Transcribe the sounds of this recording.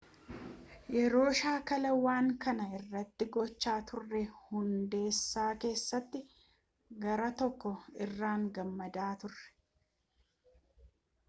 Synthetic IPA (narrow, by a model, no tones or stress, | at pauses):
jɛɾo̞ːʃaːkɐlɐwaːŋkɐnɐɪrːɐt̪ːɪɡɔt͡ʃːaːt̪ʊrːɛhʊnd̪e̞ːsːaːke̞ːsːɐt̪ːɪ | ɡɐɾɐt̪ɔkːɔɪrːaːŋɡɐmːɐd̪aːt̪ʊrːɛ̥